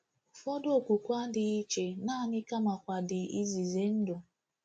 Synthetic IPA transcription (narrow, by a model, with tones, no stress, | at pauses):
fɔ˦do˨kʷu˨kʷa˦dɪ˨i˦t͡ʃe˨na˦˨ɲɪ˦ka˦ma˨kʷa˨dɪ˨i˦zi˨ze˨˦n̩˦dʊ˨